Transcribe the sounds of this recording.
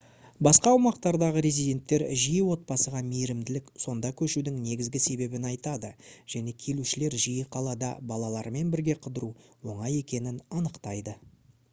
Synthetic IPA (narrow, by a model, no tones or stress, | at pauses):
bɑsqɑwʊmɑqt̪ɑɾd̪ɑʁəɾezijd̪ʲe̞nt̪ːe̞ɾʒijəwo̞t̪̚pɑsəʁɑmejɾɪmd̪ɪlɪkso̞nd̪ɑkʲʰɵʃud̪ɪŋne̞ɡʲɪzɡʲɪse̞be̞bɪnɑjt̪ɑd̪əʒ̥æne̞kʲʰe̞luʃɪle̞ɾʒijəqʰɑlˠɑd̪ɑ̰bɑlˠɑlˠɑɾme̞nbɪɾɡʲe̞qʰəd̪əɾuwo̞ɴɑje̞kʲe̞nɪnɑnəqt̪ɑjd̪ə